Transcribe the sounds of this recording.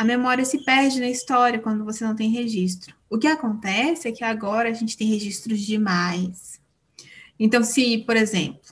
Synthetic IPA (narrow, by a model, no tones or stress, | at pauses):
ɐmemɔɾiɐsɪpɛɾd͡ʒɪnɐist̪ɔɾiɐkwɐ̃nd̪ʊvosenɐ̃w̃t̪ẽj̃ɦeʒist̪ɾʊʊkɪakõnt̪ɛsɪɛkɪaɡɔɾɐːʒẽnt͡ʃɪ̥t̪ẽj̃ɦeʒist̪ɾʊzd͡ʒɪmajs | ẽnt̪ɐ̃w̃sɪpoɾezḛ̃mplʊ